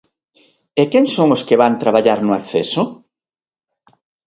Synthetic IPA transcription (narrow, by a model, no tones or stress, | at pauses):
ekɛŋsoŋʊskɪβant̪ɾaβaʎaɾnʊakθesʊ